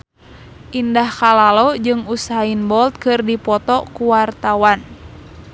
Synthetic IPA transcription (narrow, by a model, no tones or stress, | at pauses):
ʔindahkalalɔd͡ʒɨŋusaɦainbɔlt̪̚kɨrdipɔt̪ɔkuwart̪awan